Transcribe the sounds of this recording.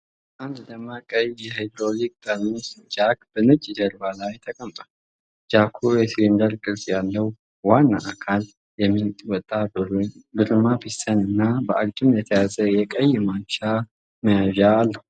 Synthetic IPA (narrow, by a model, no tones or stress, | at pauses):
ʔand̪d̪əmːakʼəjjɛhajd̪ɾolik̚ʼdamisd͡ʒakb̥ənɨt͡ʃʼːid͡ʒ̪əɾbalajt̪ʰəkʼəmt̪ʼal | d͡ʒakʰujɛslind̪əɾkʼɨlsʼjalːəw | wanːaʔakʰal | jɛmːiwɔt̪ʼːa | bɨɾmabisənɨnːabəʔaɡʼd͡ʒʼumjɛt̪ʰəjazəjɛkʼəjɛmat͡ʃːa | məjaʒaːlːəhu